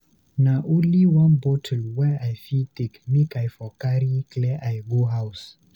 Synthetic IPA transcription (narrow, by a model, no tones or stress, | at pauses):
naʔuliwãnbotʰəlwɛajfitekmikajfɔkaɾiklɛʔajɡoɦaws